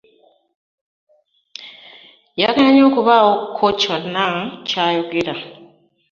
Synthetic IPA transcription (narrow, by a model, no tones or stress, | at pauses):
jaɡaaɲoːkuβaokʰoconːacaːjoɡeɾa